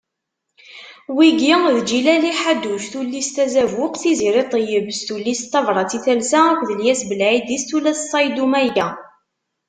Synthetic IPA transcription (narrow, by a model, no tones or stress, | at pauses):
wiɡiðd͡ʒilæliħad̪ːuʃθulːist̪æzævʊqθiziɾɪt̪ˤəjəbəsθulːist̪ːɑvɾˤɑt͡siθælsaækʷðəljæsbəlʕid̪ist̪ulæssˤɑjd̪umæjæ